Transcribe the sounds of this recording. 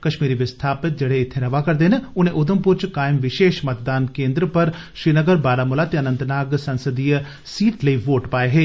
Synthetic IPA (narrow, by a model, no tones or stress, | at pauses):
kɐʃmiːɾiʋɪst̪ʰaːpɪt̪̚d͡ʒɐɽ̤eɪt̪ʰeɾɐʋakɐɾd̪enʊnẽʔʊd̪ʱəmpuɾt͡ʃkaːɪmʋɪʃeːʃmɐt̪̚d̪aːnkẽːnd̪ɾəpɐɾ | ʃɾiːnəɡəɾbaːɾamʊlat̪eɐnə̃nt̪naːɡsɐ̃nsəd̪ijə | siːʈlɐiʋoːʈpaːeɦeː